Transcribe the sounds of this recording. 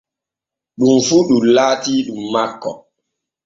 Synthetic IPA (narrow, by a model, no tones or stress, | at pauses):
ɗumfuɗulaːtiːɗumːakːɔ